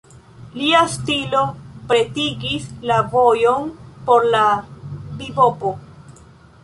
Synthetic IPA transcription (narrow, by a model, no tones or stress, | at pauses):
liastilo̞pɾe̞tiɡislavo̞jo̞npo̞ɾlabibopo